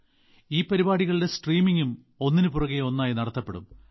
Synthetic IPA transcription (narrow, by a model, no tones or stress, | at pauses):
iːpɐɾibaːɽiɣɐɭide̞sʈriːmiŋɡum | o̞nːinɨpurɐɣeo̞nːaːjinɐɽɐt̪ːɐpːe̞ɽṵm